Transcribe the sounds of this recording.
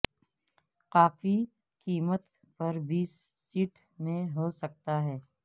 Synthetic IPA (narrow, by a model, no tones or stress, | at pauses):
qaːfi | kiːmət̪ | pɐɾbiːsː | iːʈ | mẽɦosɐk̚t̪aɦɛː